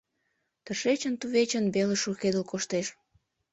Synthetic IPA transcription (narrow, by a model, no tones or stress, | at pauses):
t̪əʃet͡ɕənt̪uβet͡ɕənbeləʃuxed̪əlkoʃt̪eʃ